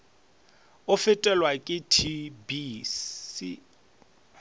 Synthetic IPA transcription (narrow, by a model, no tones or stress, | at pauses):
ʊfɪtʼɛlwakʼɪtʰibi | i